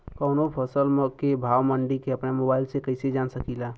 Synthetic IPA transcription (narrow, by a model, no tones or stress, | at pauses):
kɔːnopʰəsəlmkebʱaːwməɳɖikeɐpnemoːbaːɪlsekəɪsed͡ʒaːnsəkilaː